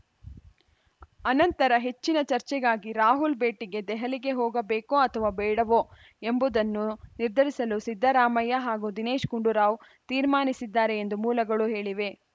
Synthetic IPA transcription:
ɐnɐnt̪ɐɾɐɦe̞t͡ʃːinɐt͡ʃɐɾt͡ʃɛɡaːɡiɾaːɦulbe̞ːʈiɡe̞d̪ɛɦɐliɡe̞ɦɔːɡɐbeːkoɐt̪ʰɐʋaːbɛːɽɐʋoː | embud̪ɐnːuniɾd̪ʱɐɾisɐlusid̪ʱːɐɾaːmɐjɐɦaːɡud̪ine̞ːʃkuɳɖuɾaːʋ | t̪iːɾmaːnisid̪ːaːɾe̞end̪umuːlɐɡɐɭuɦe̞ːɭiʋe̞

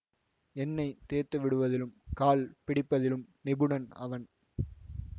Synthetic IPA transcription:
ɛnːɐɪt̪eːɾt̪ːɐʋɪɽɯʋɐðɪlɯmkaːlpɪɽɪpːɐðɪlɯmnɪbɯɳɐnɐ̰ʋɐn

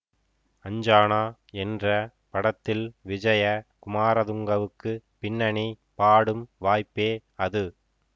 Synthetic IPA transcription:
ɐɲd͡ʒaːnaːɛndrɐ | pɐɽɐt̪ːɪlʋɪd͡ʒɐjɐkʊmaːɾɐðʊŋɡɐʋɯkːɯpɪnːɐɳi | paːɽɯmʋaːjpːeːɐðɯ

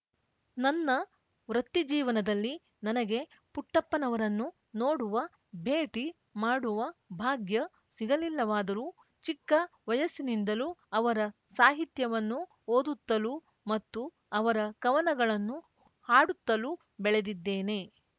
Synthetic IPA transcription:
nɐnːɐ | ʋɾɐt̪ːid͡ʒiːʋɐnɐd̪ɐlːi | nɐnɐɡe̞ | puʈːɐpːɐnɐʋɐɾɐnːu | no̞ːɽuʋɐ | bʱe̞ːʈi | maːɽuʋɐbʱaːɡjɐ | siɡɐlilːɐʋaːd̪ɐɾuː | t͡ʃikːɐʋɐjɐsinind̪ɐluɐʋɐɾɐ | saːɦit̪jɐʋɐnːu | oːd̪ut̪ːɐlu | mɐt̪ːu | ɐʋɐɾɐkɐʋɐnɐɡɐɭɐnːu | haːɽut̪ːɐlu | bɛɭe̞d̪id̪ːeːne̞

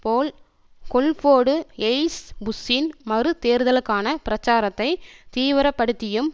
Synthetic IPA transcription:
poːl | kɔlfoːɽɯɛɪsbʊsɪnmɐrɯt̪eːɾðɐlɯkːaːnɐpɪɾɐt͡ʃːaːɾɐt̪ːɐɪt̪iːʋɪɾɐpːɐɽɯt̪ːɪjɯm

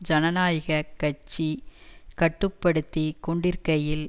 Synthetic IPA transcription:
d͡ʒɐnɐnaːjɐɣɐkːɐt͡ʃːikɐʈːɯpːɐɽɯt̪ːikɔɳɖɪɾkɐjɪl

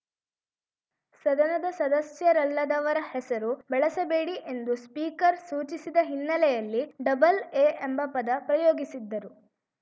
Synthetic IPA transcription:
sɐd̪ɐnɐd̪ɐsɐd̪ɐsjɐɾɐlːɐd̪ɐʋɐɾɐhɛsɐɾubɛɭɐsɐbeːɽiʔe̞nd̪uspiːkɐɾsuːt͡ʃisid̪ɐɦinːɐlɛjɐlːiɖɐbɐleːembɐpɐd̪ɐpɾɐjoːɡisid̪ːɐɾu

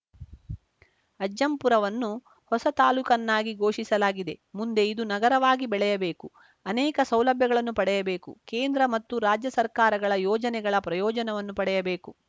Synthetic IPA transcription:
ɐd͡ʒːɐmpuɾɐʋɐnːu | hɔsɐt̪aːlukɐnːaːɡiɡo̞ːʂisɐlaːɡid̪e̞mund̪e̞id̪unɐɡɐɾɐʋaːɡibɛɭɛjɐbe̞ːku | ɐnɛːkɐsɐwlɐbʱjɐɡɐɭɐnːupɐɽɛjɐbe̞ːkṵkeːnd̪ɾɐmɐt̪ːuɾaːd͡ʒjɐsɐɾkaːɾɐɡɐɭɐjɔːd͡ʒɐnɛɡɐɭɐpɾɐjɔːd͡ʒɐnɐʋɐnːupɐɽɛjɐbe̞ːku

